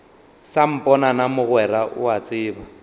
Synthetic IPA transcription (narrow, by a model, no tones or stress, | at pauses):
sam̩pʼɔnanamʊɣwɛɾaʔʊ̰at͡sʼɪːba